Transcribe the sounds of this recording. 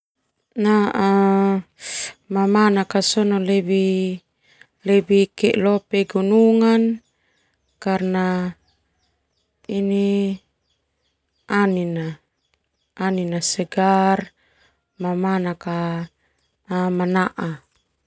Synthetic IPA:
naʔa | mamanakasɔnɔlɛbi | lɛbikɛʔlɔpɛɡunuŋan | karna | ini | anina | ʔːninasɛɡar | mamanaka | manaʔa

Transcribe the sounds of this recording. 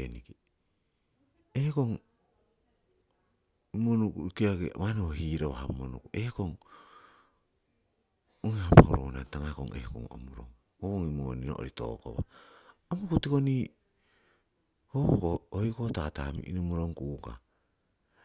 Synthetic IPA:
eniki | ehkoŋ | imonukuikiaɡḛmanoɦiːɾoβa̰hamonukuekoŋ | oŋehamohuɾo̰wnantaŋako̰ŋḛhko̰ŋo̰muɾo̰ŋ | hokoŋimonino̰ʔo̰ɾito̰ːko̰βaomukutikoni | hohokoojkotaːtamḭʔinomuɾoŋkuka̰

